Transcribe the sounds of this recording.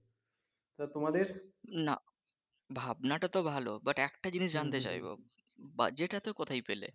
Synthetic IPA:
t̪at̪omad̪eɾna̰ | bʱabnaʈat̪obʱalobaʈɛkʈad͡ʑiniʃd͡ʑant̪et͡ɕa̰jbo̰ | ba̰d͡ʑeʈat̪okɔt̪ʰajpelḛ

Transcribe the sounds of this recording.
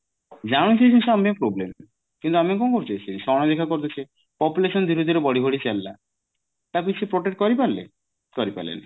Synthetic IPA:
d͡ʒaɽ̃ut͡ʃesʰinsamepɾoblem | kint̪uamiokonkoɾt̪eesʰiʃɔɽ̃ɔd̪ekʰakoɾt̪et͡ʃʰe | pɔpuleʃɔnd̪ʱiɾod̪iɾebɔɽibʱoɽit͡ɕɛlːa | t̪apisepɾoʈek̚ʈ̚kɔɾipalḛ | kɔɾipa̰lḛn

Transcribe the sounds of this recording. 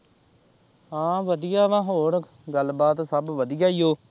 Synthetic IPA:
ãːʋəd̪ɪjaːʋãːɦoːɾək | ɡəlbaːt̪səbʋəd̪ɪjaːijoː

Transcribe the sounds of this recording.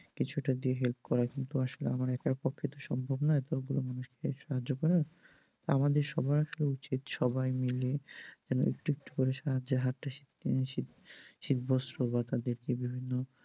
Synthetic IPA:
kit͡ɕʰuʈad̪ieɦelp̚kɔɾakint̪uaʃolḛamaɾɛkaɾpokʰːet̪oʃɔmbʱobnaet̪oɡulomanuʃkeʃaɦad͡ʑːokɔɾa | t̪oamad̪eɾʃɔbajaʃoleut͡ɕit̪ʃɔbajmiled͡ʑɛno̰ʔḛk̚ʈuek̚ʈu̥koɾeʃaɦad͡ʑːeɦaɾʈaʃi | i | ʃit̪bɔst̪ɾobat̪ad̪eɾkebibʱinːo

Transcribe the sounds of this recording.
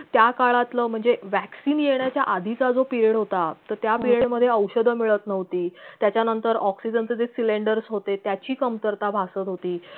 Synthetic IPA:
t̪jakaɭat̪ləːm̤əɳd͡zeʋæksiːnjeɳjat͡ɕjaʔad̪ʱit͡sad͡zopiɾieɽɦot̪at̪əɾt̪japiɾeɖməd̪ʱːjeəwɕəd̪ʱəmiɭət̪nəʋt̪iːt̪jat͡ɕjanənt̪əɾɔksid͡ʑənt͡sed͡zesileɳɖəɾsɦot̪et̪jat͡ɕiːkəmt̪əɾt̪abʱasət̪ɦot̪iː

